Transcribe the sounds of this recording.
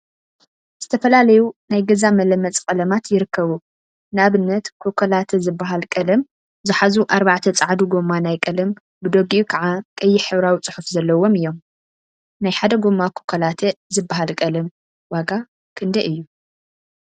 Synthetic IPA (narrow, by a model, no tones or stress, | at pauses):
z̥ɨt̪ʰɐfɐlalɐjunajɡɐzamɐlɐmːɐt͡sʼkʼɐlɐmat̪jɪɾɨkʰːɐβu | nɨaβɨnːɐt̪kʰokʰɐlat̪ʰɐzɨbːaɦalkʼɐlɐm | zɨħazuʔaɾβaʕt̪ʰɐt͡sʼaʕd̪uɡo̞mːanajkʼɐlɐm | bɨd̪oɡiukʰɐʕakʼɐjːɪħɨβɾawit͡sʼɨ̥ħufzɐlːɐwo̞mɨjːo̞m | najħad̪ɐɡomːakʰo̥kʰɐlat̪ʰɐzɨbːaɦalkʼɐlɐm | waɡa | kʰɨnd̪ɐʔɨjːu